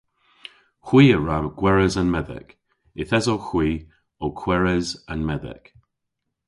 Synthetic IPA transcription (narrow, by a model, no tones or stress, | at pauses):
xwiːəɹaɡ̥wɛɹəzanmɛðɛ̰k | ɪθɛzoxwiː | okʰw̥ɛɹəzanmɛðɛ̰k